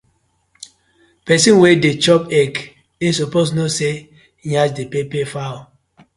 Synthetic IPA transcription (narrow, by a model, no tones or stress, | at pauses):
pɛsĩnwedet͡ʃɔpɛk | esopos̬nose | jad͡ʒdepepefaw